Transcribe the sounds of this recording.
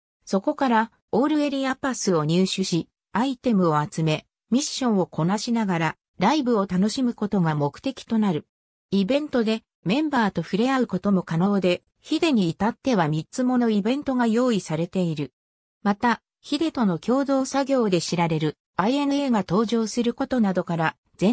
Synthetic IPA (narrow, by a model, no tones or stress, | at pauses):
so̞ko̞kaɾa | oːɾɯ̟e̞ɾʲiapasɨo̞ɲ̟ɨːɕɨɕi | ait̪e̞mɯ̟o̞at͡sɨme̞ | mʲiɕːõ̞ɰ̃o̞ko̞naɕinaɡaɾa | ɾaibɯ̟o̞t̪ano̞ɕimɯ̟ko̞t̪o̞ɡamo̞kɯ̟̥t̪e̞kʲi̥t̪o̞naɾɯ̟ | ibẽ̞nt̪o̞d̪e̞ | mẽ̞mbaːt̪o̞ɸɯ̟ɾe̞aɯ̟ko̞t̪o̞mo̞kano̞ːd̪e̞ | çid̪e̞ɲ̟iːt̪at̪ːe̞βamʲit͡sɨmo̞no̞ibẽ̞nt̪o̞ɡajo̞ːisaɾe̞t̪e̞iɾɯ̟ | mat̪a | çid̪e̞t̪o̞no̞kʲo̞ːd̪o̞ːsaɡʲo̞ːd̪e̞ɕiɾaɾe̞ɾɯ̟ | aie̞nɯ̟e̞ːɡat̪o̞ːʑo̞ːsɨɾɯ̟ko̞t̪o̞nad̪o̞kaɾa | d͡z̥ẽ̞